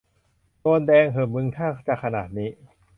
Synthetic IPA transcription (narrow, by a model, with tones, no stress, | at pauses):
koː˧ndɛː˧ŋɦɯː˨˩mɯ˧ŋt̪ʰaː˥˩t͡ɕaː˨˩kʰːa˧naː˨˩t̪̚niː˦˥